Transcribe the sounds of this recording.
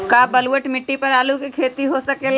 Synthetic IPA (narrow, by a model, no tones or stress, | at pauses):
kaːbɐlwəʈmɪʈːipɐɾaːlukikʰeːt̪iɦosɐkel